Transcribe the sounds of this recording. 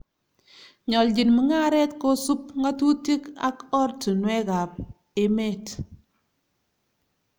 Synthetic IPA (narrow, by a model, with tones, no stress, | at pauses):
ɲɔ˨ld͡ʒi˨nmi˨ŋa˦ɾɛ˦tko˦su˦p̚ŋa˦tu˦ti˦ka̰˦kɔ˦rtu˨nwɛ˦ɡa˨p̚ | e˨me˦˨t